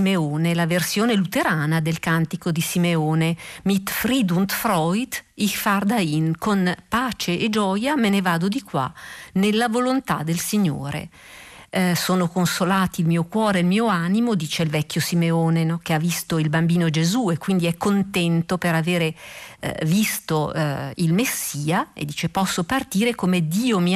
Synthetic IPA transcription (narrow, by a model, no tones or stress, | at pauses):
meoːnelaversjoːnelut̪eɾaːnad̪elkant̪ikod̪isimeoːnemit̪fɾid̪unt̪fɾɔjd̪ikfard̪ainkonpaːt͡ʃeʔːd͡ʒɔːjamenevaːd̪od̪ikwa̰nelːavolont̪a̰d̪ːelsiɲːo̰ːɾḛ | soːnokonsolaːt̪iːlmiːokwɔːɾeilmiːoaːnimod̪iːt͡ʃeilvɛkːjosimeoːnenok̟eavːist̪oilbambiːnod͡ʒezuekːwind̪iɛkːont̪ɛnt̪opeɾaveːɾḛ | vist̪oilmesːiːaḛd̪ːiːt͡ʃepɔsːopart̪iːɾekomed̪iːomi